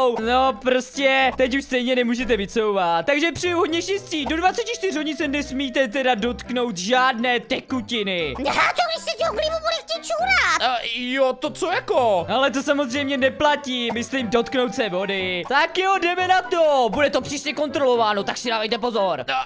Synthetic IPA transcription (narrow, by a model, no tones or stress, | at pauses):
wnopɾo̞scɛt̪ɛcuʃst̪ɛjɲɛnɛmuːʒɛt̪ɛvɪt͡so̞wvat̪t̪ːaɡʒɛpr̥ijuɦodɲɛʃɛsciːdo̞dvat͡sɛcɪt͡ʃt̪ɪr̝ɦo̞ɟɲɪsɛnɛsmiːt̪ɛt̪ɛdado̞t̪kno̞wt̪ʒaːdnɛːt̪ɛkucɪnɪɦat̪oɡdɪʃsɛd͡ʒoɡlivubudɛxʲiːt͡ʃuːɾat̪jot̪ot͡sojakoʔalɛt̪o̞samo̞zr̝ɛjmɲɛnɛplaciːmɪslimdo̞t̪kno̞wt̪sɛvo̞dɪt̪akjodɛmɛnat̪obudɛt̪o̞pr̥iːsɲɛko̞nt̪ɾo̞lo̞vaːno̞t̪aksɪdaːvɛjt̪ɛpo̞zoɾo